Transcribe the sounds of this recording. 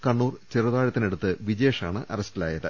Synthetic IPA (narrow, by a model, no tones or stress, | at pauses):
kɐɳːuːrt͡ɕirɐðaːɻɐt̪ːineɽut̪ːɨʋid͡ʑe̞ːʂaːɳɨʔɐrɐstɐla̰ːjɐðɨ